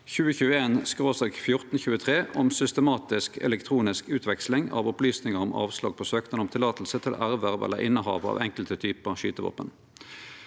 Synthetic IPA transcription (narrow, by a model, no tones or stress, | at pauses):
çʉːəçʉːəeːnskʁoːsɑkfjʊʁt̪n̩çʉːət̪ʰʁeːʔɔmsʏst̪əmɑːt̪ɪskʰɛ̰lɛkt̪ʰʁuːnɪskʉːt̪ʰʋɛkslɪŋɑ̰ːʋɔplyːsnɪŋəʁɔmʔɑ̰ːʋslɑ̰ːɡ̚pʰoːsøːkt̪ənɔmt̪ʰɪlɑːt̪l̩sət̪ʰɪlʔæʁʋæʁʋɛ̰lːə̰ʁʔɪnːəhɑ̰ːʋɑ̰ːʋɛŋkəlt̪ət̪ʰyːpəʁɑʃyːt̪əʋɑ̰ːpən